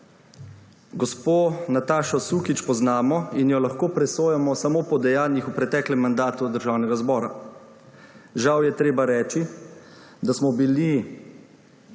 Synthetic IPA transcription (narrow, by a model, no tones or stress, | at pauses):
ɡɔspoːnat̪aːʃɔsuːkit͡ʃpɔznaːmɔinjɔlaxkoːpɾɛsoːjamɔsamoːpɔd̪ɛjaːnjixupɾɛt̪ɛːklɛmːand̪aːt̪ud̪əɾʒaːwnɛɡazbɔːɾa̰ | ʒawjɛt̪ɾeːbaɾɛːt͡ʃi | d̪asmɔbili